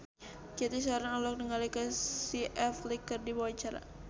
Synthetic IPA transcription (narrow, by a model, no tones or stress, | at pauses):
d͡ʒat̪is̬aaɾaŋalɔk̚nəŋalikəsiʔɛflikːərdibawat͡ʃaɾa̰